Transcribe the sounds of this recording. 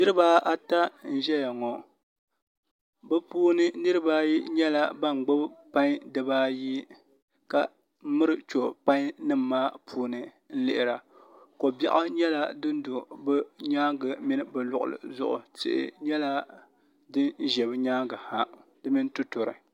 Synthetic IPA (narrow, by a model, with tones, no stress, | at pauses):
nɨ˦ɾɨ˦baː˦a˦ta˦n̩˦ʒɛ˦ja˨ŋɔ˨ | bɨ˦puː˦nɨ˦nɨ˦ɾɨ˦baː˦ji˦ɲɛ˦la˦ba˦˨ŋ͡mɡ͡bo˦bpa˦ɲ˦dɨ˨baː˦ji˦ | ka˨˦ | mɨ˦ɾɨ˨t͡ʃo˨pa˦ŋ˦nɨ˦mː˨aː˦pʰuː˦nɨ˦ | n̩˦lɪ˦ʔɪ˨ɾa˨ko˨bɛ̰˨ʔa˦ɲɛ˦la˦dɨ˦n˦dʊ˨bɛ˦ɲaː˦ɡɨ˨mɪ˦nɨ˦bɛ˨lʊ˨ʔʊ̰˨lɨ̰˨zʊ̰˦ʔʊ̰˨tɪ̰˦˨ʔɪ̰˨ɲɛ˦la˦ | dɨ˦n˦ʒɛ˨bɨ˦ɲaː˦ɡɨ˨ha˨dɨ˦mi˦n˦tu˦tʊ˨ɾɨ̰˨